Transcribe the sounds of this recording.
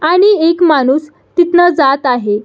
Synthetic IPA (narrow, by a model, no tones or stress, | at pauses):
aɽ̃iekmanuːs | t̪it̪nəd͡zat̪aɦe